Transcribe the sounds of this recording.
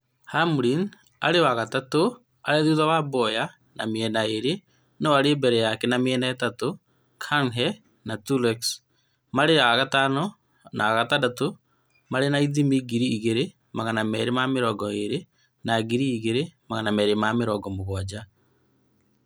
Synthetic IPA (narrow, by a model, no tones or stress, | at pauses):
hamɾin | aɾewaɣatato | aɾeðuðawabɔja | nameɛnaeɾe | nɔwaɾebɛɾɛjakɛnameɛnaɛtato | kʰaŋɦɛ | natulɛks | maɾeɾaɣatanɔ | nʔa̰ːɣatadato | maɾenaiðimiɡiɾiːɣeɾe | maɣanamɛɾemameɾɔɡɔeɾe | naɡiɾiːɣeɾemaɣanamɛɾemameɾɔɡɔmoɣwad͡ʑa